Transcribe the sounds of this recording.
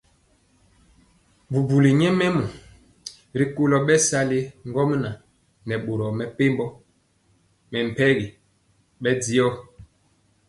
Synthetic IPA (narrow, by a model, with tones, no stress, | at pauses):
bu˨bu˨li˨ɲɛ˦mɛ˦mu˨ | ɾi˨ko˦lɔ˨ɓɛ˦sa˦le˦ŋɡɔ˦m˦na˨ | nɛ˨ɓo˨ɾɔ˨mɛ˨pe˦mbɔ˦ | mɛ˨m̩˨pɛ˦ɣi˨ | ɓɛ˦di˦ɔ˦